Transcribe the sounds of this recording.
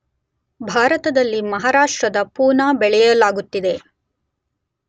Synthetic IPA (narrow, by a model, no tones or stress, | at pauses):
bʱaːɾɐt̪ɐd̪ɐlːimɐɦaːɾaːʂʈɾɐd̪ɐpuːnaːbɛɭɛjɐlaːɡut̪ːid̪e̞